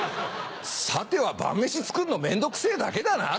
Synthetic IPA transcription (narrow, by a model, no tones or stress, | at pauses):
sat̪e̞βabã̰mːe̞ɕit͡sɨ̥kɯ̟nːo̞mẽ̞nd̪o̞kɯ̟̥se̞ːd̪ake̞d̪ana